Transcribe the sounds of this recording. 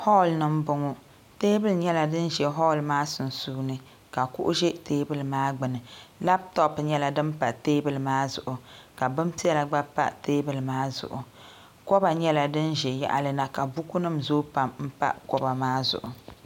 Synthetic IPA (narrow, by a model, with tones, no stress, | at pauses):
hɔ˦˨lnɨ˦m̩˦bʊ˨ŋʊ˦ | teː˦bɨ˦lɲɛ˦la˨dɨ˦nʒɛ˨ɦɔ˦˨lmaː˦sʊ˨n˨suː˦nɨ˦ | ka˨kṵ˦ʔʊ˦ʒɛ˦teː˦bɨ˦lɨ˨maː˦ɡ͡bɨ˨nɨ˨la˦p̚tɔ˦pɲɛ˦la˨dɨ˦mpa˨teː˦bɨ˦lmaː˦zʊ̰˨ʔʊ˨ka˨bɨ˦m˦pi˦ɛ˦la˨ɡ͡ba˦pa̰˦˨teː˦bɨ˨lmaː˦zʊ̰˨ʔʊ˨ | kɔ˦ba˨ɲɛ˦la˨dɨ˦nʒɛ˨ja̰˨ʔa˨lɨ˦na˨ka˨bu˦ku˦nɨ˦mzoː˦pa˨mm̩˦pa̰˦ʔkɔ˦ba˨maː˦zʊ̰˨ʔʊ˨